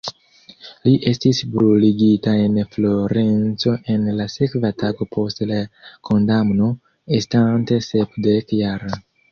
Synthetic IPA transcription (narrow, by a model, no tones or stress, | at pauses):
liʔe̞stisbɾuliɡitae̞nflo̞ɾe̞nt͡so̞ʔe̞nlase̞kvataɡo̞pʰo̞stlakʰo̞ndamno̞ | estante̞sepdekjaɾ